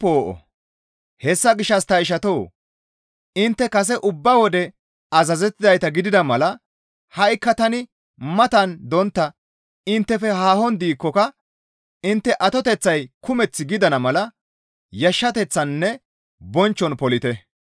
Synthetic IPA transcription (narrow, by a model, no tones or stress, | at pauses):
poːʔɔ̰ | hɛsːɐɡɪʃːɐst̪ɐjʃ̬ɐt̪oː | ɪnt̪ːɛkɐs̬ɛʔʊbːɐwɔd̪ɛ | ɐzɐzɛt̪ːɪd̪ɐjt̪ɐɡɪd̪ɪd̪ɐmɐlɐ | hɐjkːɐt̪ɐnɪ | mɐt̪ɐnd̪ɔnt̪ːɐ | ɪnt̪ːɛfɛɦaːhɔnd̪iːkːɔkɐ | ɪnt̪ːɛʔɐt̪ɔt̪ɛt͡sːɐjkʊmɛt͡sːɪɡɪd̪ɐnɐmɐlɐ | jɐʃːɐt̪ɛt͡sːɐnːɛ | bɔnt͡ʃːɔnpɔlɪt̪ɛ